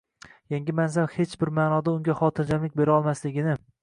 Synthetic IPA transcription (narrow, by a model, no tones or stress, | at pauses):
jaŋɡʲɪmanzamhe̞t͡ʃbɪɾmaːnɒd̪aʊŋɡʲaχɒːt̪ʰɪɾd͡ʒamlɪkʲbe̞ɾɒlˠmaslɪɡʲɪnɪ